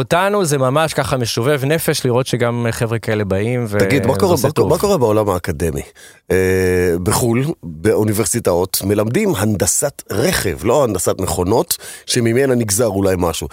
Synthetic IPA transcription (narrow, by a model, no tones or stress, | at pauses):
otanuzemamaʃkaχame̞ʃove̞vne̞feʃliʁo̞tʃeɡamχevʁekaele̞baimveaɡiddmakoʁeamako̞ʁebeolamhaːkad̪emḭ | ebeχulbeuniveʁsitaotme̞lamd̪imɦand̪asatʁeχḛvlo̞hand̪asatmeχo̞no̞tʃemimenaniɡzaʁulajmaʃu